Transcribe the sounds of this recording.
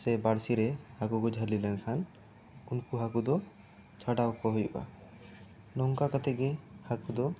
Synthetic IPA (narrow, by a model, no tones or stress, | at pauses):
sɛbaɽsiɾɛhakukɔd͡ʒʱəɾlilɛnkʰan | unkuɦakud̪ɔ | t͡ʃʰaɖawkɔɦɔjuʔa̰ | nɔŋkakat̪ɛɡɛhakud̪ɔ